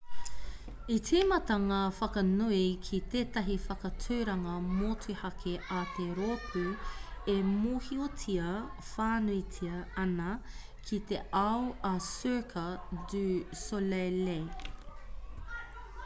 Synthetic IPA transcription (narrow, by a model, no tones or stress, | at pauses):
itʰimɐt̪ɐŋaːfɐkɐnuikʰit̪eːtɐɦifɐkɐtʰuɥɾɐŋɐmoːtʰuhɐkʰeʔat̪eɾopʰʉemoːhiotʰiɐfaːnuitʰiɐɐnɐ | kʰit̪eʔɐwɐsøkʰɐdʉsolele